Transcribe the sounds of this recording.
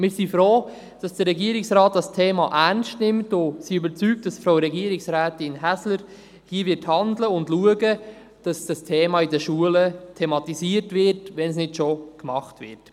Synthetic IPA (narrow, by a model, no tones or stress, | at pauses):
mɪːɾsifɾoː | d̥ɑsd̥əɾɛɡiːəɾɪksɾɑːt̚d̥ɑstʰeːmɑʔænstnɪmtʊsiybəɾt͡syːk̚td̥ɑsfɾaʊɾɛɡiːəɾɪksɾæːtɪnɦæsləɾ | hiːvɪthɑndləʊndluəɡə | d̥ɑsd̥ɑstʰeːmɑɪdəʃuələtʰɛmɑtisiəɾtʋɪɾtʋɛns̬nɪdʃokmɑχtʋɪ̰ɾt